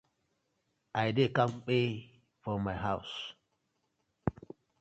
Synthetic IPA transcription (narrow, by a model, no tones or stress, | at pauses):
ʔajdekãmk͡pe | fɔmajɦaʊs